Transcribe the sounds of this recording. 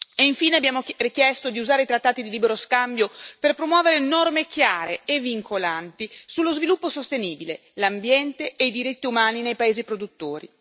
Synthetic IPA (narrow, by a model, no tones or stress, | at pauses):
eiɱfiːneabːjaːmorik̟jɛst̪od̪iuzaːɾeit̪ɾat̪ːaːt̪id̪iliːbeɾoskambjoperpɾomwɔːveɾenɔrmekjaːɾeevːiŋkʰolant̪isulːozvilupːosost̪eniːbile | lambjɛnt̪eːjd̪iɾit̪ːiumaːninejpaeːzipɾod̪ut̪ːoːɾḭ